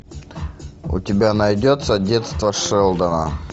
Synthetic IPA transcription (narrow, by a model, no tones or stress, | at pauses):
ʊ̰tʲɪbʲanɐjdʲot̪sədʲet̪st̪vɐʂɛlˠd̪ɐnə̰